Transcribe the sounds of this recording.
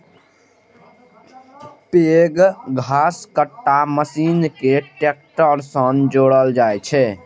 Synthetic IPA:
peɡɡʱaskəʈːaməsinkeʈek̚ʈəɾsənd͡ʒoɽəld͡ʒajt͡ʃʰɛ

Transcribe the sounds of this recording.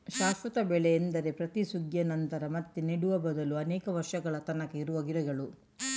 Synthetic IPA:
ʃaːʃʋɐt̪ɐbɛɭɛːnd̪ɐɾe̞pɾɐt̪isuɡjɐnɐnt̪ɐɾɐmɐt̪ːeniɽuʋɐbɐd̪ɐluɐnɛːkɐʋɐɾʂɐɡɐɭɐt̪ɐnɐkeiɾuʋɐɡiɾɐɡɐɭu

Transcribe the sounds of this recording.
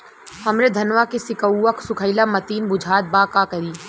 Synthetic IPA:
hɐmɾed̪ʱɐnʋakesɪkəːɐksʊkʰəɪlamɐt̪iːnbʊd͡ʒʱaːd̪̚baːkakɐɾiː

